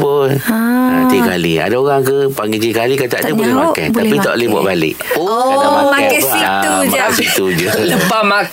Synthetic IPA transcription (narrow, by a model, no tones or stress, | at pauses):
ponat̪ikalia̰daoɣaŋkəpaŋɡet̪iikalikat̪aʔt̪ubolɛmakɛ̰b̪apit̪ɔ̰ʔlibɔ̰ʔbalɪ̰ʔomamaksiumakasit̪ud͡ʒuləpama